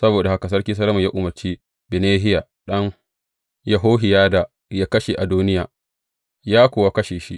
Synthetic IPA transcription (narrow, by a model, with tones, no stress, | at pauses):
sɐ˦boː˨da˨ha˦ka˨s̬ɐ˦rkʲiː˦s̬ɐ˦lɐ˦mɐ˨jaː˦ʔʊ˨mɐ˨rt͡ʃiː˦ | bɪ˨neː˦ɦɪ˦ja˨ | ɗɐ˦ŋ | ja˨ɦoː˦ɦɪ˨jaː˦da˨ | jaː˦kɐ˦ʃe˨ʔa˨duː˦nɪ˦jaː˨ | jaː˦kʷoː˨wa˦kɐ˦ʃeː˨ʃḭ˦ʔ